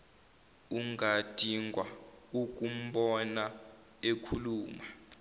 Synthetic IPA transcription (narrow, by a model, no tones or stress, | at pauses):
uŋɡʱad̥ʱiŋɡʱwa | ukʼum̩ɓɔna | ekʰuluːma